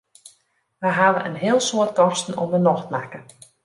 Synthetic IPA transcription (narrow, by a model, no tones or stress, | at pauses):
ʋəjɦaʋəʔənɦɪəlˠsoət̚kɔrstn̩o̰mənɔxtmakə